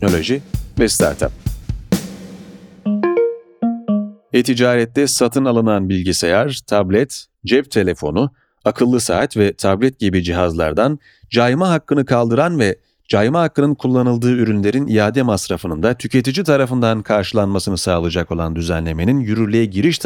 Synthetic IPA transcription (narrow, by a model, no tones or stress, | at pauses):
no̞lʲo̞ʒivɛst̪ʰa̰ɾt̪ʰa̰p̚ | et̪ʰid͡ʒaːɾɛt̪lʲɛsat̪ʰɯnalˠɯnanbilʲɟisejaɾt̪ʰablʲɛt̪ | d͡ʒɛpt̪ʰe̞lʲe̞fo̞̰nu | akʰɯlˠːɯsaːt̪vɛt̪ʰablʲɛt̪̚ɟibid͡ʒiɦazlˠa̰ɾd̪an | d͡ʒajmaɦakːɯnɯkʰalˠd̪ɯɾanvɛ | d͡ʒajmaɦhakːɯnɯnkʰulˠːanɯlˠd̪ɯːyɾynlʲe̞ɾinijaːd̪ɛmasɾafɯnɯnd̪at̪ʰycʰe̞t̪id͡ʒit̪ʰaɾafɯnd̪ankʰaɾʃɯlˠanmasɯnɯsaːlˠɯd͡ʒako̞lˠand̪yzænlʲe̞me̞ninjyɾyɾlʲejɛɟiɾiʃt̪ʰ